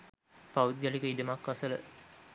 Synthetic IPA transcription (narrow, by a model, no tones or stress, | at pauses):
paʋud̪jalikəiɖəmakːʋasələ̰